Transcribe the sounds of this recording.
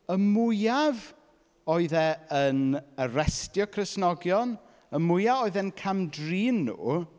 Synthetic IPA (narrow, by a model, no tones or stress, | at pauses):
əmʊjav | oɨðɛənəɾɛstjɔkʰrɪsnɔɡjɔn | əmʊjavoɨðɛnkʰamdriːnːṵː